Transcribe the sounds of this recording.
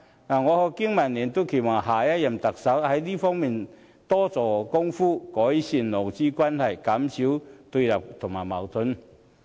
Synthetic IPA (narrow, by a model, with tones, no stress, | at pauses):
naː˨˩ŋɔː˨˧kɔ˧ki˥ŋmɐ˨˩nliː˨˩nt̪o˥wkʰe˨˩waː˨˩ɦaː˨˩jɐ˥t̚jɐ˨˩mt̪ɐ˨k̚sɐ˨˥whɐ˨˦˥jliː˥fɔː˥ŋmiː˨˩n | t̪ɔː˥t͡sɔː˨˩kʊ˥ŋfuː˥kɔː˨˥jsi˨˧nlo˨˩wt͡siː˥kwaː˥nhɐ˨˩jka˨˥msi˨˥wt̪u˧lɐ˨˩p̚t̪ʰʊ˨˩ŋmaː˨˩jmɐ˨˩wt̪ʰʊ˨˥n